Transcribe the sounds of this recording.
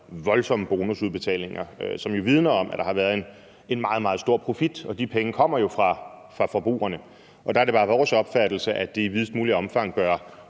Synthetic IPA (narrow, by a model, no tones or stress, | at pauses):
ʋɒ̽lsɒ̽məb̥o̝ːnusuð̞ˠb̥e̝t͡sʰɛ̰ːle̝ŋɐsɒ̽mjo̝ʋið̞ˠnɐɒ̽m̰ʔæɐd̥ɑ̈hɑ̈ʋæːɐðˠe̝n | e̝nmɑ̈ːð̞̩ˠmɑ̈ːð̩ˠsd̥o̝ɐ̰pʰʁo̝fid̥ɒ̽d̥ipʰeŋəkʰɒ̽m̰ɐjo̝fʁɑ̈ | fʁɑ̈fɒ̽b̥ʁṵːɐnə | ʔɒ̽d̥ɑ̈æɐɾe̝bɑ̈ːʋɒːsɒ̽b̥fæd̥l̩səʔæd̥e̝iʋiðˠsd̥muːliɒ̽mfɑ̈ŋ̰b̥ɶɐ